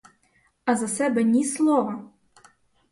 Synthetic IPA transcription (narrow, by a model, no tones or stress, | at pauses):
ɐzɐsɛbɛnʲislˠɔʋɐ